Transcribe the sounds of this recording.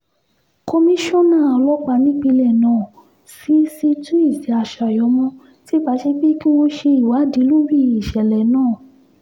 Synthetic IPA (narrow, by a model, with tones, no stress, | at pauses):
kɔ˧mĩ˦ʃɔ̃˦˨nã˦˨a˨lɔ˨˦k͡pa˧nĩ˦k͡pi˧lɛ˨nãː˨ | si˨˦si˧tũ˦i˦˨si˨˦a˨˧˨ʃa˨jɔ˨˧˦mɔ̃˧ | ti˦˨k͡pa˨˧˦ʃe˧k͡pi˦ki˦wo˧ʃe˧i˨wa˨˦di˨˦lu˦wi˦˨i˨ʃɛ˨lɛ˨nãː˦˨